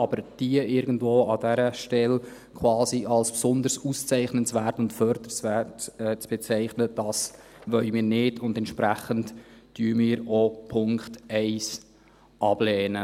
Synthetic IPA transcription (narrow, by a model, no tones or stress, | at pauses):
ɑbəɾd̥iəʔɪɾɡən̩dvoːɑdæɾəʃtɛl | kʰwɑːsiʔɑlspsʊnd̪əɾsust͡sɛɪχnənt͡svæːɾtʊntfœɾd̪̥əɾsvætɛt͡sb̥ɛt͡sɛɪχnəd̥ɑs | ʋœʏmɪːɾnɪdʊndɛntʃpɾæχəntd̥yːəmɪːɾopʰʊŋktɛɪs | ʔɑb̥lɛːnə